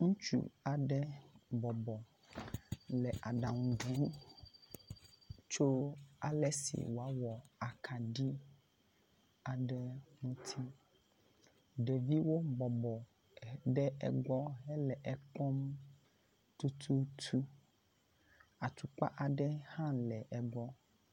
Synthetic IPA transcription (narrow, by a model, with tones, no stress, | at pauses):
ŋũ˦t͡ʃṵ˦a˨ɖɛ˦bɔ˨bɔ˨ | lɛ˨ʔa˨ɖa˨ŋũ˨ɡɛ̃˨˦m | t͡ʃo˦a˨lɛ˦sḭ˨wo˨a˦wɔ˨a˨kʰa˨ɖi˦ | a˨ɖɛ˦ŋũ˦t̪ʰi˦ | ɖe˨vi˦wo˦bɔ˨bɔ˨ | ɖɛ˦ʔɛ̰˨ɡ͡bɔ˦ɦɛ˦lɛ˨ʔɛ˨kɔ˦m | t̪u˦t̪ʰu˦t̪ʰu˦ | a˨t̪u˨k͡pa̰˦ʔa˨ɖɛ˦hã˦lɛ˨ʔɛ˨ɡ͡bɔ˦